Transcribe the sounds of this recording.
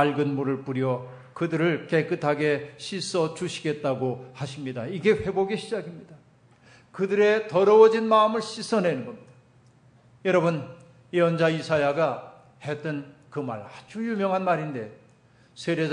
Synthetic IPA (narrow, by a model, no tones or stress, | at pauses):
aɭɡɯnmuɾɯɭpuɾjʌ | kɯdɯɾɯɭke̞k͈ɯtʰaɡe̞ɕʰis͈ʌt͡ɕuɕʰi̥ɡe̞t̚t͈aɡohaɕʰimɲidaiɡe̞ɸe̞boɡiɕʰid͡ʑaɡimɲid̥a | kɯdɯɾe̞tʌɾʌwʌd͡ʑinmaɯmɯɭɕʰis͈ʌne̞nɯnɡʌmɲid̥a | jʌɾʌbɯn | jeʌnd͡ʑaisʰajaɡa | het͈ɯnkɯma̰ɭad͡ʑujumjʌŋɦanmaɾinde̞ | sʰeɾe